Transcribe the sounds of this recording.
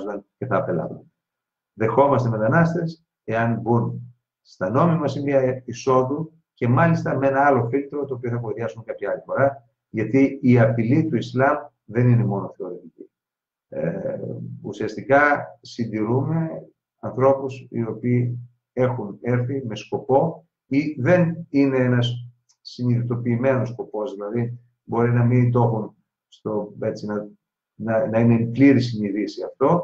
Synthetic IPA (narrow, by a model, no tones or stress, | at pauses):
zɐnce̞θɐːpelɐ̰vun | ðe̞xo̞mɐst̪e̞me̞t̪ɐnɐst̪e̞s | e̞ɐnbun | st̪ɐno̞mimɐsinviɐiso̞ðu | ce̞mɐlist̪ɐme̞nɐɐlo̞filt̪ɾo̞t̪oːpioθɐkoɾiɐsuŋkɐpçɐɐlifo̞ɾɐ | ʝɐt̪iːɐpilit̪uislɐm | ðe̞nine̞mo̞no̞θe̞o̞ɾet̪ici | e | usiɐst̪ikɐsind̪iɾume̞ | ɐnθɾo̞pusḭo̞piː | e̞xune̞ɾθime̞sko̞po̞ | iðe̞nine̞enɐs | siniðit̪o̞piːme̞nosko̞po̞zðilɐði | bo̞ɾinɐmid̪o̞xun | st̪o̞e̞t͡sinɐ | nɐnɐine̞pliɾisiniðisiɐft̪o̞